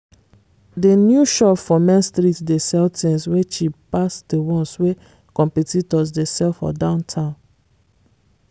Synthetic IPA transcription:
denjuʃɔpfɔmɛ̃nstɾitdesɛltẽnswet͡ʃipasdewɔ̃nswe | kɔ̃mpɛtitɔs̬desɛlfɔ̰dãʊ̃ntʰãʊ̃n

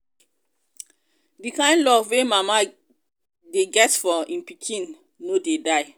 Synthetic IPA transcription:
dikãɪ̃ndlɔvwemama | deɡɛtfɔĩnpikʰĩnː | odedaɪ

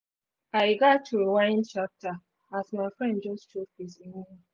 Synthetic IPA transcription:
aɪɡatʰːuewãɪ̃nt͡ʃap̚tʰa | asmaɪfɹɛ̃ndd͡ʒɔst͡ʃʰofisinĩ

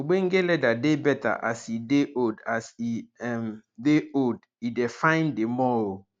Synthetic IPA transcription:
oɡ͡bẽŋ̩ɡɛlɛdadebɛta̰ʔa̰sideʔodasiɛmdeod | idɛfãɪ̃ndemɔɹo

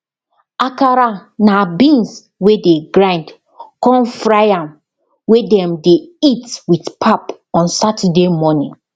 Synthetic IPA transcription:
akaɾanabĩns | wedeɡɹãɪ̃nd | kɔ̃nfɹajãm | wedɛ̃mdeitwitpʰap | ɔ̃nsatʰɛdemɔnĩŋ

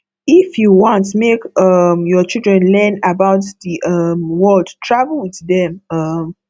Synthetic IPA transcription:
ifjuwɔ̃ntmekʌmjɔt͡ʃilˠdɹɛ̃nlɛ̃nabaʊtðiʔʌmwɜlˠdtʰɹavlwiððɛ̃mʌm

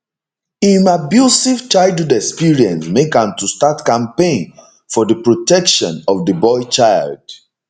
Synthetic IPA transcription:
ĩnabjusivt͡ʃaɪldhodɛkspiɹiɛ̰̃nsmekãmtustatkãmpẽn | fɔdəpɹotɛkʃɔ̃nɔvdəbɔɪt͡ʃaɪld̥

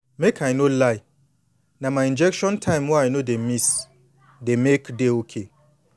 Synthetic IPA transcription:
mekʰajnolaj | namaĩnd͡ʒɛkʃɔ̃ntʰãjmwaajnodemis | demekdeokʰe

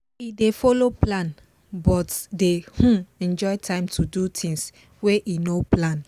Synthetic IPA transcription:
idefɔloplãn | bɔtdehũɛ̃nd͡ʒɔɪtʰãɪ̃mtʰudutʰĩŋs | weʔinoplãn

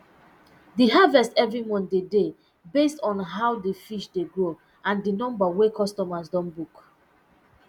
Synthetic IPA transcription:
diɦavɛstɛvɹimɔ̃ndede | bestɔ̃nɦawdifiʃdeɡɹo | ãndinɔ̃mbawekɔstɔmasdɔ̃nbuk

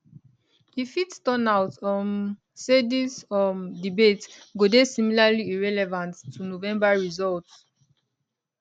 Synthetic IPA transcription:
hifitstɔnawtɔ̃n | sedĩsɔ̃ndibetɡodesimilaliiɹɛlɛvãntʰːunovɛ̃mbaɹizɔlts

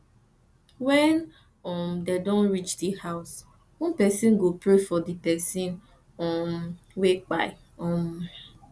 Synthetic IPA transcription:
wɛn | ɔmdedɔ̃nɹit͡ʃdihaʊs | wɔ̃npɛsĩnɡopɾefɔdipɛsĩn | ɔ̃m | wek͡pa̰ɪ | ɔ̃m

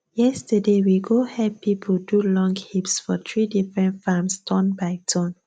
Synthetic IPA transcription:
jɛstədewiɡohɛpipʰodulɔ̃ŋɡhipsfɔt̪ɹidifɹɛ̃ntfamstʰɔ̃nbaɪtʰɔ̃n

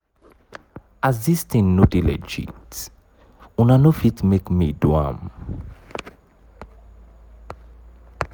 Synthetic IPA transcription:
azðistĩnnːutilɛ̰d͡ʒḭt | ũnanofitmekmidwã̰m

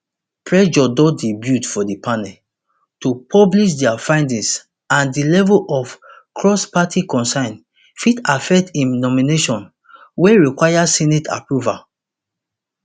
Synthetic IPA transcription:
pɹɛd͡ʒɔdɔdibjutfɔdipʰanɛ | tupʰɔbliʃ̬dɛafãɪ̃ndĩŋs | ãndilɛvulʔɔf | kʰɹɔspatʰikɔ̃nsãɪ̃n | fitafɛk̚tĩnnɔmineʃɔ̃n | wɛɹikwajasinetʰa̰pɹuva

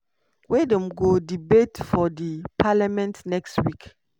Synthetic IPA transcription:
wedɔ̃mɡodibetfɔdipʰalamɛ̃ntnɛkstwik

